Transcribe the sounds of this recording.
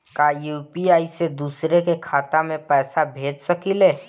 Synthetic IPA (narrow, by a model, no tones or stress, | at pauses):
kaːjuːpiaːised̪uːsɾekekʰaːt̪amẽpɛːsabʱeːd͡ʒsəkileː